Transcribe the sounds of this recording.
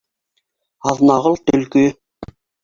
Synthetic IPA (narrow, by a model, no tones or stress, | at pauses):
ɑðnɑʁɤlˠt̪ɵ̆lkɵ